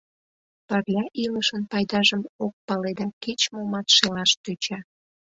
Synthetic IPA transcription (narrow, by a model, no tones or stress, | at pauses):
pərlʲɑʔiləʃənpɑjd̪ɑʒəmok̚pɑled̪ɑket͡ɕmomɑt̪ʃelɑʃt̪øt͡ɕɑ